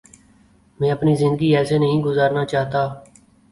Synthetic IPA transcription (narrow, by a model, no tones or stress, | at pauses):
mɛ̃ːəpniːzɪnd̪əɡiːɛːseːnəɦĩːɡʊzaːɾnaːt͡ʃaːɦt̪aː